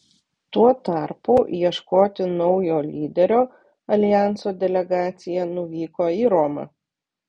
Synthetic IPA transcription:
t̪uɔt̪ɑˑɾpuːjiɛʃkoːt̪ʲɪnɔʊjoːlʲiːd̪ʲɛɾʲoː | ɐlʲɪjæˑnsoːd̪ʲɛlʲɛɡɑːt̪sʲɪjɛnʊʋʲiːkoːiːɾɔmɐ̰

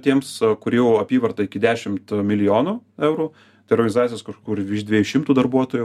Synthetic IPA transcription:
t̪ʲiɛmskʊɾʲiːjɛʊɐpʲiːʋɐrt̪ɐɪkʲɪd̪ʲæːʃʲɪmt̪mʲɪlʲɪjoːnuːɛʊɾuː | t̪ɐɪɔrɡɐnʲɪzɑːt̪t͡s̪ʲɪjoːskɐʃkːkʲuːrʲd̪ʲʋʲiɛjuːʃʲɪmt̪uːd̪ɐɾbuɔt̪oːjʊ

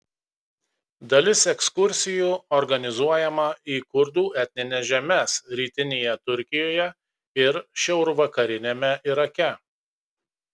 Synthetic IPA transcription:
d̪ɐlʲɪsɛkskʊɾʲsʲɪjuːɔɾɡɐnʲɪzuɔjɛmɐiːkʊɾd̪uːɛt̪ʲnʲɪnʲɛsʒʲɛmʲɛsɾʲiːt̪ʲɪnʲejɛt̪ʊɾʲkʲɪjoːjɛ | ɪɾʃʲɛʊɾʊʋɐkɐɾʲɪnʲemʲɛʔɪɾɐkʲɛ

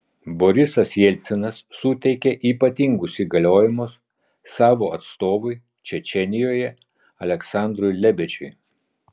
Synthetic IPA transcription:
bɔɾʲɪsɐsjɛlʲt̪sʲɛnɐsːʊt̪ʲɛɪkʲɛʔiːpɐt̪ʲɪŋɡʊsiːɡɐlʲoːjɪmʊs | sɑːʋoːɐt̪st̪oːʋʊɪ | t͡ʃʲɛt͡ʃʲɛnʲɪjoːjɛ | ɐlʲɛksɑˑnd̪ɾʊjlʲɛbʲɛt͡ʃʲʊɪ

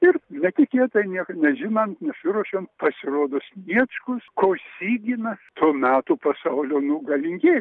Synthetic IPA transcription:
ɪrnʲɛt̪ʲɪkʲeɛt̪ɐɪnʲiɛkɐnʲɛʒʲɪnɐnt̪nʲɛsʲɪɾuɔʃʲoːnt̪pɐsʲɪɾoːd̪oːsʲnʲiɛt͡ʃkʊskoːsʲiːɡʲɪnɐst̪uːmʲæːt̪upɐsɐʊlʲoːnʊɡɐlʲɪŋʲɡʲeː

